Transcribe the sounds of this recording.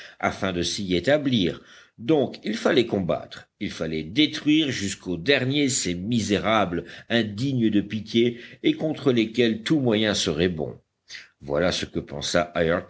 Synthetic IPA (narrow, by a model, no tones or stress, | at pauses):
a̰fɛ̃d̪əsiet̪abliːʁ | d̪ɔ̃kilfalɛkɔ̃ba̰t̪χilfalɛd̪et̪χɥiʁʒyskʰod̪ɛʁnjesemizeʁablɛ̃d̪iɲd̪əpit̪jeːkɔ̃t̪χəlekʲɛlt̪umwajɛ̃səʁɛbɔ̰̃ | vwa̰lasəkəpɑ̰̃sa̰ʔaj